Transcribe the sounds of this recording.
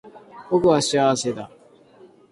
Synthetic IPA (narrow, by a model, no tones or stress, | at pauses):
bokɯ̟βaɕiaβase̞t̪a̰